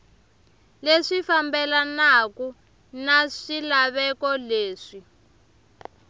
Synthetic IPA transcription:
leʂifambɛlanaku | naʂilaβɛkɔleːʂi

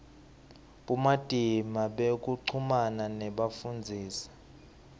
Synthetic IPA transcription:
ɓumad̥ʱimaɓek̬ʼuǀʰumananɛɓafund͡zʱiːsḁ

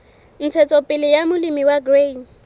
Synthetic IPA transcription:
n̩t͡sʰɛt͡sʰʼɔpʼɪlɪjamʊlimiwaɡren

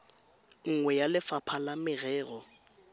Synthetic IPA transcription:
ŋ̩ŋwɛjalɪfapʰalamɪɣɛːɣɔ

